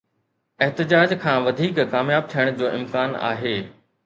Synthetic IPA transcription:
ɛɦt̪ɪd͡ʑaːd͡ʑkʰãːʋɐd̪ʱiːkːaːmjaːb̚t̪ʰijəɽ̃d͡ʑoːʔɪmkaːna̰ːɦeː

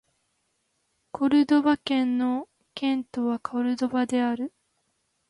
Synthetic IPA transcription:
kʰo̞ɾɯ̟d̪o̞bakẽ̞nːo̞ | kẽ̞nt̪o̞βakʰoɾɯ̟d̪o̞bad̪e̞aɾɯ̟

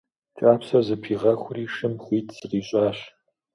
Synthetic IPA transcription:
t͡ʃʼaːpsɐzɨpʰiːʁɐxʷʊriːʂɨmχʷiːtʰsɨriːɕʼaːɕ

